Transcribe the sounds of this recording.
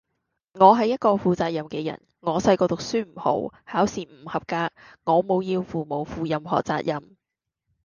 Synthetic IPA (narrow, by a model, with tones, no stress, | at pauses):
ŋɔː˨˧ɦɐ˨˧jɐ˥t̚kɔː˧fuː˨t͡saː˧t̚jɐ˨mkɛː˧jɐ̰˨˩n | ŋɔː˨˧sɐ˧jkɔː˧t̪ʊ˨k̚syː˥m̩˨˩ho̰˨˥whaː˨˥wsiː˨m̩˨˩hɐ˨p̚kaː˧k̚ŋɔː˨˧mo˨˧wjiː˧wfuː˨mo˨˩wfuː˨˧jɐ˨mɦɔ̰ː˨˩t͡sa̰ː˧t̚jɐ˨m